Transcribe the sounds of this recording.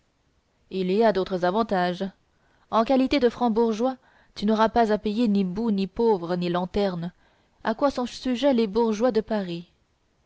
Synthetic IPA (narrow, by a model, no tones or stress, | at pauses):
iliad̪ot̪χəzavɑ̃t̪aʒ | ɑ̃kalit̪ed̪əfχɑ̃buʁʒwa | t̪ynɔʁapazapejenibunipovʁənilɑ̃t̪ɛʁn | akwasɔ̃ʒsyʒɛlebuʁʒwad̪əpaʁi